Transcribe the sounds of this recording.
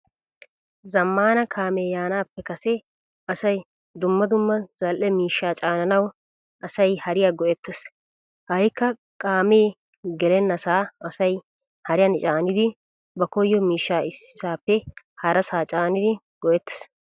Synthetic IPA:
zɐmːaːnɐkʰaːmeːjaːnaːpːɛkɐsɛ | ɐsɐj | d̪ʊmːɐd̪ʊmːɐz̥ɐlʔɛmiːʃːaːt͡ʃʼaːnɐnɐw | ʔɐsɐjhɐɾɪjaːɡɔʔɛt̪ːɛs | hɐjkːɐ | kʼaːmeː | ɡɛlɛnːɐsaːɐsɐj | hɐɾɪjɐnɪt͡ʃʼaːnɪd̪ɪ | bɐkɔjːɔmiːʃːaːɪsɪ̥saːpːɛ | hɐɾɐsaːt͡ʃʼaːnɪd̪ɪ | ɡɔʔɛt̪ːɛ̥s

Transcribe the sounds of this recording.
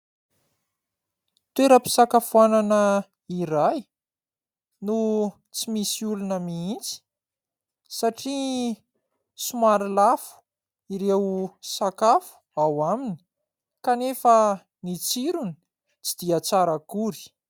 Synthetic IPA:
t̪weɾəpi̥sakafuananə | iɾaj | nu | t͡simisiulunəmiint͡si̥ | saʈ͡ʂi | sumaɾilafu̥ | iɾewsakafu̥awamini̥ | kanefə | nit͡siɾuni̥ | t͡sid̪̥iat͡saɾəkuɾi̥

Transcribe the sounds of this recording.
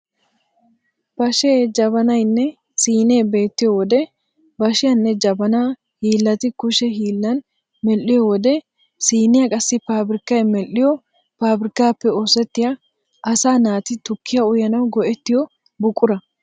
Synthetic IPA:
b̥ɐʃeːd͡ʒɐbɐnɐjnːɛ | siːne̞ːbe̞ːt̪ːɪjɔwɔd̪ɛ | bɐʃɪjɐnːɛd͡ʒɐbɐna | hiːlːɐt̪ɪkʊʃɛɦiːlːɐn | mɛlːɪjɔwɔd̪ɛ | siːnɪjɐkʼɐsːɪpaːbɾɪkːɐjmɛlːɪjɔ | paːbɾɪkːaːpːɛoːsɛt̪ːɪjɐ | ʔɐsaːnaːt̪ɪt̪ʊkːɪjɐʊjɐnɐwɡɔʔɛt̪ːɪjɔ | bʊkʼːʊɾɐ

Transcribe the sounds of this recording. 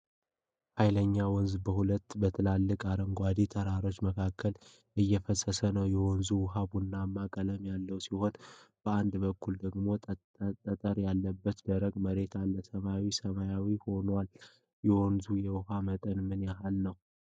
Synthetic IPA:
hajləɲːawɔnzbəhulət̪ːbət̪ʰɨlalːɨkʼaɾəŋɡʷad̪it̪ʰəɾaɾo̞t͡ʃːməkʰakʰːəl | ʔɨjːɛfəsəsənəwjɛwɔnzuwʊɦabunːamːakʼələmjalːəwsiho̞nb̥əand̪bəkːuld̪əɡmo̞ | t̪ʼːət̪ʼəɾjalːəbːət̪d̪əɾəɡməɾe̞t̪ʰalːəsəmawisəmajawiho̞nwal | jɛwɔnzujɛwʊɦamət̪ʼənmɨnjaɦalnəw

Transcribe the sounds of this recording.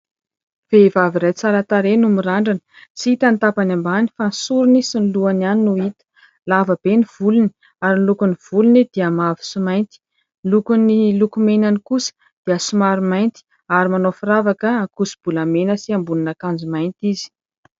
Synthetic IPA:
v̥evaviɾajt͡saɾət̪aɾenumiɾaɳɖ͡ʐanə̥t͡siit̪ant̪apanambani̥fansuɾunisinluananinuit̪ə̥ | lavəb̥eniv̥uluni | aɾinlukuniv̥ulunid̪̥iəmavi̥sumajnt̪i̥ | lukunilukumenanikusə̥ | d̪̥iəsumaɾumajnt̪i̥ | aɾimanofiɾavakəakusib̥ulamenəsiambuninakand͡zumajnt̪izi̥

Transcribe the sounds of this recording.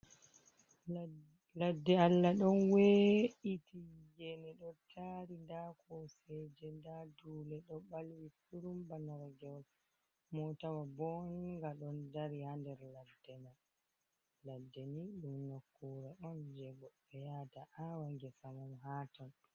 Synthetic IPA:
ladːɛalːaɗɔnweitʰijɛnɛɗɔtʰaɾindakʰɔsɛd͡ʒɛndadulɛɗɔɓalwikuɾumbanaɾaɡɛwal | mɔtawabɔniŋɡaɗɔndaɾihandɛɾladːɛnal | ladːɛniɗumnokːuɾaɗɔnd͡ʒɛɡɔɗɛjataʔawaŋɡɛsamɔmɦaːtɔn

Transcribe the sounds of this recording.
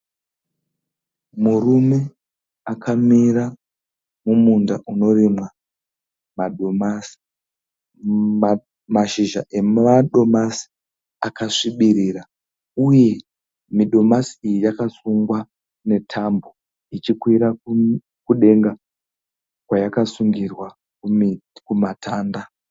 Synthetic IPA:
murume̞ | akʰamira | mumundaʔuno̞rimwa | ma | maʃiʒa̰ʔe̞maɗo̞masi̥ | akaʂiɓiɾiːra | uje̞ | miɗo̞masiijijakasuŋɡwa | ne̞tʰambo | it͡ʃikwiɾau | kuɗe̞ŋɡa | kwajakasuŋɡirwa | kukumatʰaːnda

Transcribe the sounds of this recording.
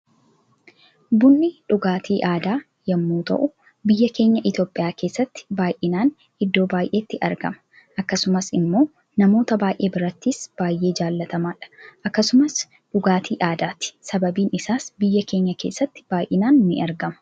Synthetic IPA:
bʊnːɪᶑʊɡaːt̪ʰiːʔaːd̪aː | jɐmːuːt̪ɐ̰ʔʊ | bɪjːɐke̞ːɲːɐʔɪt̪jo̞ːpʼɪjaːke̞ːsːɐt̪ːɪ̥baːjʔɪnaːn | ɪd̪ːo̞ːbaːjʔe̞ːt̪ːɪʔɐ̰ɾɡɐ̰mɐ̥ | ʔɐkːɐsʊmɐsɪmːo̞ː | nɐmo̞ːt̪ɐbaːjʔe̞ːbɪɾɐt̪ːiːsb̥aːjʔe̞ːd͡ʒaːlːɐt̪ɐmaːᶑɐ̥ʔɐkːɐsʊmɐs | ᶑʊɡaːt̪ʰiːʔaːd̪aːt̪ɪ̥sɐbɐbiːnɪsaːsbɪjːɐke̞ːɲːɐke̞ːsːɐt̪ːɪ̥b̥aːjʔɪnaːnːɪʔɐɾɡɐmɐ̥

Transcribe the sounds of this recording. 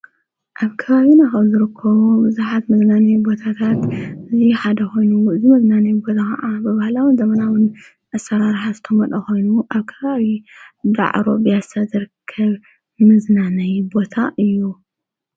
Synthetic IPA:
ʔaβkʰɐβaβinaxɐβzɨɾɨkʰːɐβubɨzuħat̪mɨznanɐjbo̞t̪ʰat̪ʰat̪ɨziħad̪ɐxo̞jnuɨzimɐznanɐjbo̞t̪ʰakɐ̰ʔabɨβahlawɨnzɐmɐnawɨn | ʔasːɐɾaɾħazɨt̪ʰɐmɐt̪ʼɐxo̞jnuʔaβkʰɐβaβid̪a̰ʕɾo̞bɨjasazɨɾɨkʰːɐβ | mɨznanɐjbo̞t̪ʰaʔɨjːu

